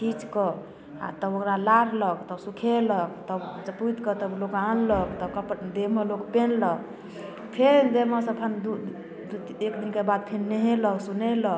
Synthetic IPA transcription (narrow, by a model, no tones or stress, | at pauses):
ʈʰit͡ʃkə | a̰t̪əbokɾalaɾləkt̪əsukʰeləkt̪əd͡ʒput̪kət̪əblokanləkt̪ɔkəpd̪eməlokpenlək̚ | pʰeɾd̪eməsəpʰənd̪u | ekd̪inkebad̪̚pʰeɾneɦeləksunelək